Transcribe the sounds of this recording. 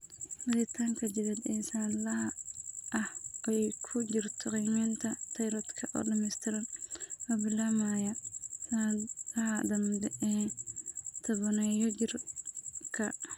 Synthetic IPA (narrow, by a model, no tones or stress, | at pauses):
bɐɾɪt̪ʰaːŋkʰɐd͡ʒɪβɛd̪ɛːsaːnlɐhɐɐhɛjkʰʊd͡ʒɪrt̪ʰɔqijmɪnt̪ʰɐt̪ʰɐjɾɔːd̪kʰɐʔɔ̰ːɖɐmɛjst̪ʰɪɾɐnʔɐbɪlaːmajɐsalɐɦɐd̪ɐmdɛɛ | t̪ʰɐβɔnɛjɔt͡ʃɪr | kʰɐ